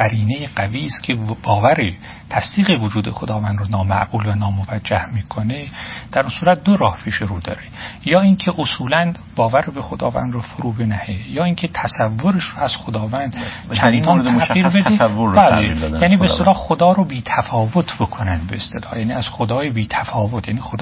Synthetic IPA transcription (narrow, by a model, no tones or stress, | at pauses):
ɢ̥æɾiːnejeɢæviːskʲʰeb̥ɒːvæɾe | t̪ʰæsd̪̥iːɣevod͡ʒuːd̪e̞xod̪ɒːvænd̪ɾonɒːmæ̰ʔɡ̥uːlvænɒːmovæd͡ʒːæhmiːkʰone̞d̪̥æɾunsuːɾæt̪̚d̪oɾɒːhpʰiʃeɾuːd̪ɒ̰ːɾejɒːiŋcʰe̞ʔosuːlæn | bɒːvæɾebexod̪ɒ̰ːvæ̰nd̪ɾofoɾuːbe̞næhejɒːiːŋcʰe̞t̪ʰæsævːoɾeʃroæz̥xod̪ɒːvænd̪ | t͡ʃʰænd̪ɒnt̪ʰæiɾbedivobæːleibejæːniːbeest̪elɒːxod̪ɒːɾobiːt̪ʰæfɒːvot̪ʰbokʰonænd̪beest̪e̞lɒːhjæːniːæz̥xod̪ɒːjebiːt̪ʰæfɒːvot̪ʰjæ̰niːxod̪